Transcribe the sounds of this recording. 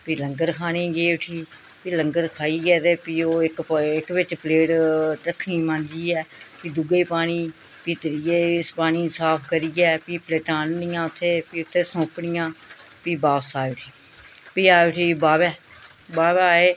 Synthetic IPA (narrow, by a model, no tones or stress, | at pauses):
piːləŋɡəɾkʰaːnẽːɡeːʊʈʰiː | piːləŋɡəɾkʰaːiːɡɛːt̪eːpiːoːɪkɪkʋɪt͡ʃpleːʈʈəkʰːnĩːmãːnd͡ʒiːɛːpiːd̪ʊɡeːpaːɽ̃iː | piːt̪əɾijeːspaːñiːsaːpʰkəɾiːɡɛːpiːpleːʈãːnnɪjãːʊt̪ʰːeːpiːʊt̪ʰːeːsõːkɽɪjãːpiːbaːsaːeʈʰiː | piːaːʊʈʰiːbaːbɛː | baːbaːeː